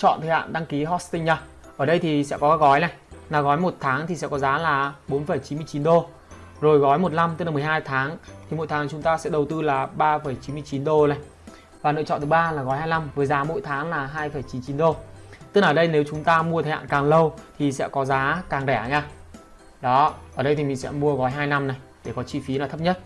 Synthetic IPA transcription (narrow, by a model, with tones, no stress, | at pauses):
t͡ɕɔ̰˧˨nt̪ʰə˨˩ha̰ː˧˨nɗa˧ŋki˨˦ɦɔ˧st̪ï˧ŋ̟ɲa˧˩ʔəː˧˩ɗə˧jt̪ʰi˨˩sɛ̰˧˥kɔ˨˦kːk̚ɣɔ˨˦jna˨˩jlaː˨˩ɣɔ˨˦jmo˨˩t̚t̪ʰaː˨˦ŋt̪ʰi˨˩sɛ̰˧˥kɔ˨˦zaː˨˦laː˨˩ɓo˨˦nfə˧˩jt͡ɕi˨˦nmɨ˧əjt͡ɕi˨˦nɗo˧ | zo˨˩jɣɔ˨˦jmo˨˩t̬̚la˧mt̪ɨ˦˥klaː˨˩m˨ə˩jɦaː˧jt̪ʰaː˨˦ŋt̪ʰi˨˩mo̰˧˨t̪ʰaː˨˦ŋt͡ɕʊ˨˦ŋ͡mt̪aː˧sɛ̰˧˥ɗə˨˩wt̪ɨ˧laː˨˩ɓaː˧fə˧˩jt͡ɕi˨˦nmɨ˧əjt͡ɕi˨˦nɗo˧na˨˩j | vaː˨˩nɨ̰˧ət͡ɕɔ̰˧˨nt̪ʰɨ˨˦ɓaː˧laː˨˩ɣɔ˨˦jhaː˧jna˧mvəː˨˦jzaː˨˦mo̰˧˥˨jt̪ʰaː˨˦ŋlaː˨˩ɦaː˧jfə˧˩jt͡ɕi˨˦nt͡ɕi˨˦nɗo˧t̪ɨ˦˥k̚əː˨˩ɗə˧jne˨˦wt͡ɕʊ˨˦ŋ͡mt̪aː˧mu˧ət̪ʰəː˨˦ha̰ː˧˨kaː˨˩ŋlə˧wt̪ʰi˨˩sɛ̰˧˥kɔ˨˦zaː˨˦kaː˨˩ŋɗɛ˧˩˦ɲa˧˩ | ɗɔ˨˦ʔəː˧˩ɗə˧jt̪ʰi˨˩mi˨˩ŋ̟sɛ̰˧˥mu˧əɣɔ˨˦jɦaː˧jna˧mna˨˩jɗe˧˩kɔ˨˦t͡ɕi˧˩fi˨˦naː˨˩t̪ʰə˦˥p̚ɲə˦˥t̚